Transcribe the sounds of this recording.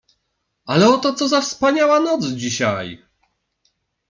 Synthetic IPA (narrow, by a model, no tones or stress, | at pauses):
alɛɔt̪ɔt̪sɔzafspaɲawanɔt̪sd͡ʑiɕaj